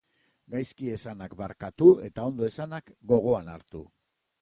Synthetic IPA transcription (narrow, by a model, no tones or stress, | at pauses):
ɡajskie̞sanakbaɾkat̪ue̞t̪ao̞nd̪o̞e̞sanakɡo̞ɣ̞o̞anaɾt̪ṵ